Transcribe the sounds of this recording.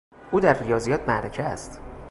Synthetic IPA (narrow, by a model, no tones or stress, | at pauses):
ʔuːd̪æɾrijɒːzijɒːt̪̚ʰmæɾecʰḛst̪